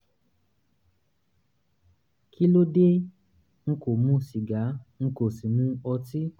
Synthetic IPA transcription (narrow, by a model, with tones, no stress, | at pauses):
kʰi˦lo˦de˦ | ŋ̩˦ko˨mũ˦ʃi˨ɡa˨˦ŋ̩˦ko˨si˨nũ˦ɔ˧ti˦